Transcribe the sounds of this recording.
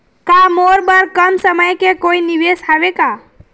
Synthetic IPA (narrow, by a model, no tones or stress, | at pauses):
kamoɾbəɾkəmsəməjkekoiniʋesɦaʋeka